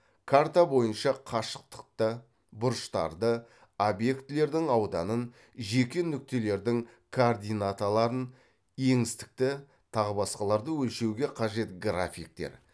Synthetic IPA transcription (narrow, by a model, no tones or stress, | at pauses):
kʰart̪abo̞jənʃɑqʰɑʃə̥q̚t̪ə̥qt̪ə | bʊɾʃt̪ɑ̰ɾd̪ə | obje̞kt̪ɪle̞ɾd̪ɪŋɑwd̪ɑnən | ʒe̞kʲenʏk̚t̪e̞le̞ɾd̪ɪŋkʰoːrd̪ijnat̪alˠɑɾən | je̞ŋɪst̪ɪ̥k̚t̪ɪ | t̪ʰɑʁəbɑsqɑlˠɑɾd̪əwɵlʃe̞wɡʲe̞qʰɑʒe̞t̪ɡra̰fʲik̚t̪e̞̰ɾ